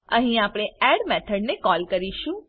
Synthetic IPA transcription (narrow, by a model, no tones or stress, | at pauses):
ə̰̃ɦĩapɽ̃eɛɽmɛt̪ʰəɽnekɔlkəɾiʃũ